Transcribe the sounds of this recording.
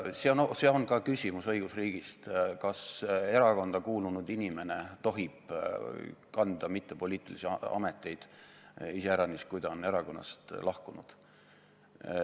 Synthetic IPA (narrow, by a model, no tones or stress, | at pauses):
seonse̞o̞nkɑkysʲimusɤ̞jɡ̥usriːɡ̥ist̪kɑse̞ɾɑko̞nd̪̥ɑkuːlunud̪̥inʲime̞ne̞t̪o̞ɦib̥ | kɑnd̪̥ɑmit̪ːˑepo̞liːt̪ːˑilisiɑɑ̰me̞t̪ːˑe̞jd̪̥ | iseæɾɑniskujd̪ɑone̞ɾɑko̞nːɑ̰st̪lɑhkunud̪̥